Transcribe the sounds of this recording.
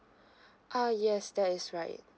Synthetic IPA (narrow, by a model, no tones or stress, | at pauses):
ʔajɛsdɛtɪsɹaɪt̚